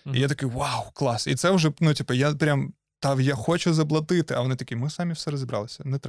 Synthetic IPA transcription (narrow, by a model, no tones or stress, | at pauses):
ḭjat̪ɐkɪjwawklˠɑsḭt̪sɛwʒɛnutʲipɐjapɾʲam | t̪aʋjaxoɔt͡ʃʊzɐblˠɐt̪ɪt̪ɪɐ̰ʋɔnɪt̪ɐkʲimɪsamʲiwsɛɾɐzʲɪbɾɑ̰lˠɨsʲɐnɛt̪ɾ